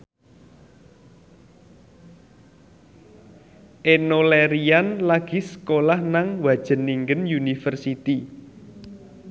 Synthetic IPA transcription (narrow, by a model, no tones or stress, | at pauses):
ʔenoleɾianlaɡ̥i̤sə̥kolahnaŋwḁʒ̥ə̤niŋɡənjunifərsit̪i